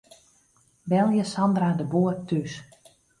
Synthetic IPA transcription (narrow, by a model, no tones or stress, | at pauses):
bɛlˠjəsɑndradəboːər̚tys